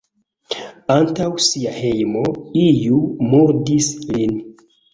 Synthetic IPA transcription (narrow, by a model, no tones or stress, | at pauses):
antawsiahe̞jmo̞ijumuɾdislin